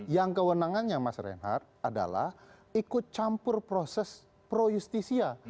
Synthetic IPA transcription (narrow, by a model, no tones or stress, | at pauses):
jaŋkəwənaŋanɲamasɾɛ̰nɦa̰rt̪̚ada̰la̰h | ikʊt̪̚t͡ʃampʊrpɾosɛs | pɾojust̪isia